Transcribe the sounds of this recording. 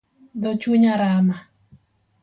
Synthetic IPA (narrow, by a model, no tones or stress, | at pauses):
d̪ot͡ʃuɲaɾama